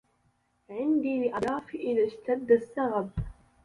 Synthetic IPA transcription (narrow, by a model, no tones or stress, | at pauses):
ʕɪnd̪ilɪʔɑdˤɑːfiʔɪðaʃt̪ad̪ːasːaɣab